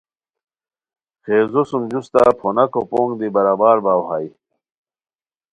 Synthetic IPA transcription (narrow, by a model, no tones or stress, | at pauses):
xeːzosumd͡ʑust̪apʰonɐkopoːŋɡd̪ibɐɾaːbaːɾbaːwhaji